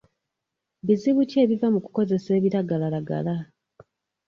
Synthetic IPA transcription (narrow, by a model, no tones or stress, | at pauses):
βiziβuce̞ːβivamuku̥ko̞ze̞se̞ːβiɾaɡalalaɡa̰la